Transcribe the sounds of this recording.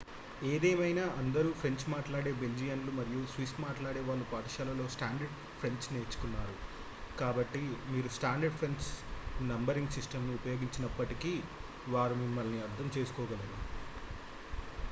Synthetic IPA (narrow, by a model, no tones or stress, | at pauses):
eːd̪eːmɐjnaːʔɐnd̪ɐɾuːpʰɾe̞ɲt͡ʃmaːʈlaːɽe̞ːbe̞ld͡ʒijɐnlumɐɾijusʋismaːʈlaːɽeːʋaːɭːupaːʈɐʃaːlɐlo̞ːsʈaːɳɖɐɾɖ | pʰɾe̞ɲsne̞ːɾt͡ʃːu̥kunːaːɾu | kaːbɐʈːimiːɾusʈaːɳɖɐɖpʰɾeɲsnɐmbɐɾiŋɡsisʈɐmnuːpɐjoːɡiɲt͡ʃinɐpːɐʈikiː | ʋaːɾumimːɐlniɐɾd̪ʱɐmt͡ʃe̞ːsu̥kɔːɡɐlɐɡ̪u